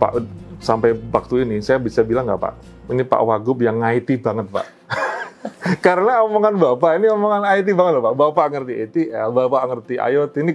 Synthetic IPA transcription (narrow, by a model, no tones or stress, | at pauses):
pa̰ʔsampajwak̚t̪uinɪsajabisabilaŋɡapa̰ʔ | inipa̰ʔwaɡʊp̚jaŋːait̪ibaŋət̪̚pa̰ʔ | kaɾənaomoŋanbapaʔiniomoŋanait̪̬ibaŋət̪̚lapaʔbapaŋərt̪iet̪iɛlbapaʔŋərt̪ia̰jɔt̪ini